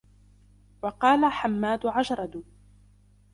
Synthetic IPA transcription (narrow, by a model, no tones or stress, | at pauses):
wɑqɑːlaħamːaːd̪ʊʕaʒɾˤɑd̪ʊ